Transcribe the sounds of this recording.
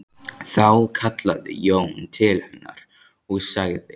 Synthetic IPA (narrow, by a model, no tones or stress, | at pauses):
θawkʰat̪laðɪ̰jownt̪ʰɪlhɛnːa̰ɾ | ɔɣsaɣðɪ